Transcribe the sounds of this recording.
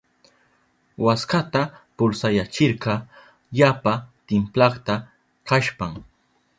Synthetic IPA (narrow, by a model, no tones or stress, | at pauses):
waskat̪apʊlsajat͡ʃɪɾɢɑ | ʎapat̪ɪmplɑχt̪a | kaʃpaŋ